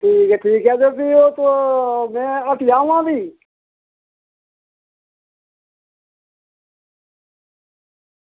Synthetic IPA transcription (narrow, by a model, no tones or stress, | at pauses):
ʈʰiːkɛːʈʰiːkɦɛːd͡ʒeːpiːoːt̪oːmɛ̃ːəʈɪjaːʋãːb̪ʱiː